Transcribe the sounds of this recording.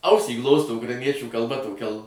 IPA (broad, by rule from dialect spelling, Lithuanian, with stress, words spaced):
ˈɐʊsʲiː ˈɡlˠoːstoː ʊkrɐɪˈnʲiɛt͡ʃʲuː kɐlˠˈbɐ toːˈkʲɛ lˠ